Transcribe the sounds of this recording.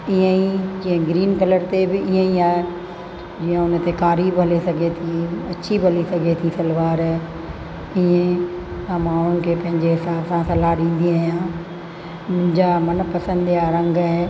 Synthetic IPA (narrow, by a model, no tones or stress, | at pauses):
iə̃id͡ʑiẽɡɾiːnkɐləɾt̪ebɪiɦə̃iaːɦe | d͡ʑiːə̃ʊn̆t̪ekaːɾiːbɦɐlesɐɡʱet̪ʰĩɐt͡ɕʰibʱɐlisɐɡʱet̪ʰĩsɐlʋaːɾ | iẽ | amãʊʊnən̆kʰepɐ̃ɦɪ̃ɲd͡ʑeɦɪsaːbsãsɐlaɗĩːn̆d̪iaːijã | mʊ̃ɦɪ̃ɲd͡ʑamɐnpɐsə̃nd̪iaːaːɾə̃ŋɡaɦe